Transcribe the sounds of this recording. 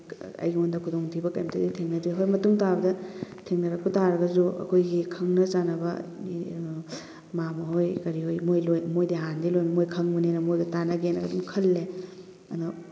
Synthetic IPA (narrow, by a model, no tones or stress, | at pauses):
ɐ̰jɡiondɐkʰudoŋtʰibɐkajmtʰɐditʰeŋnɐduɦojmɐtuŋtabɐdɐtʰeŋnɐɾɐkutaɾɐɡɐzuɐ̰kʰojɡikʰɐŋnɐt͡ʃanɐbɐ̰ | mamɐɦojkɐɾihojmojlojnmojdeɦandilojnmojkʰɐŋmunenɐmojdɐtanɐɡenɐɡɐdumkʰɐlːe | ɐ̰nu